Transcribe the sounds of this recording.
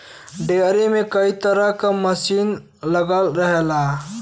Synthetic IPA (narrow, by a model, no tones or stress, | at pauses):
ɖeɾimekəit̪əɾəkaməsin | ləɡəlɾəɦela